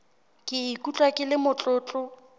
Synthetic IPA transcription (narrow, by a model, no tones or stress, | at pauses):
kʼɪikʼut͡ɬʼwakʼɪlɪmʊt͡ɬʼʊːt͡ɬʼʊ